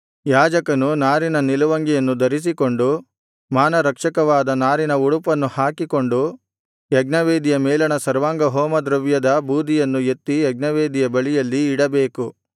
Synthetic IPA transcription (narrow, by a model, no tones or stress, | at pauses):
jaːd͡ʒɐkɐnunaːɾinɐnilɐʋɐŋɡijɐnːud̪ɐɾis̬iko̞ɳɖu | maːnɐɾɐkʂɐkɐʋaːd̪ɐnaːɾinɐuɽupɐnːuhaːkiko̞ɳɖu | jɐɡnɐʋeːd̪ijɐmɛːlɐɳɐsɐɾʋaːŋɡɐɦɔːmɐd̪ɾɐʋjɐd̪ɐbuːd̪ʱijɐnːujet̪ːijɐɡnɐʋeːd̪ijɐbɐɭijɐlːiːɽɐbe̞ːku